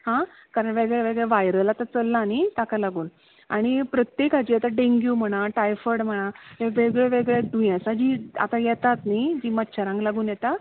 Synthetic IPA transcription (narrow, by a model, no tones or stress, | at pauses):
hã | kaɾəɳʋeɡɭɛʋeɡɭɛʋajɾəlat̪at͡səlːaːnit̪akalaɡuːn | aɽ̃ipɾət̪jekad͡ʑiːat̪aɖẽŋɡjuːm̤əɽ̃aʈajfəɾɽm̤əɽ̃aɦeʋeɡɭɛʋeɡɭɛɖujãsad͡ʑiːa̰t̪ajɛt̪at̪nid͡ʑiːmətːɕʰəɾãŋɡlaɡuːnjɛt̪a